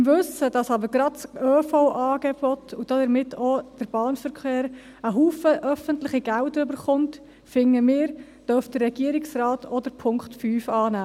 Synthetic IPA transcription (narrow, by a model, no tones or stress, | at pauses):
ɪmʋɵsəd̥ɑsɑbəɾɡɾɑdt͡søːfoʊʔɑːɡeb̥ɔtʰud̥ɑdəɾmɪtʰod̥əɾb̥ɑːnfəɾkχeːɾ | əɦuːfəʔœfəntlɪχiɡ̥æʊtəɾʏbəɾχʊnt | fɪŋːəmɪːɾ | d̥œfd̥ərːɛɡ̥iəɾɪksrɑːtʰɔdəɾpʰʊŋkχtfyːfɑːnæː